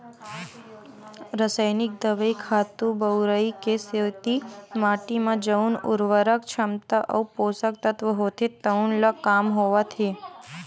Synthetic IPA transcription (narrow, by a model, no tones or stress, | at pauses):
ɾəsəjnɪk̚d̪əʋəikʰat̪ũbəwɾəikesewt̪imaʈimãd͡ʒəunṵɾʋəɾəkt͡ʃʰəmt̪əʔə̰uposək̚t̪ət̪ʋəɦot̪ʰet̪əunlakamɦoʋat̪ʰe